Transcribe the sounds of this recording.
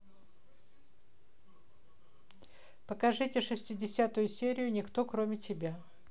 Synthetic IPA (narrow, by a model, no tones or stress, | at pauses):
pəkɐʐɨtʲɪʂɨsʲtʲɪdʲɪsʲat̪ʊjʊsʲeɾʲɪjʊnʲɪkt̪o̞kɾomʲɪtʲɪbʲa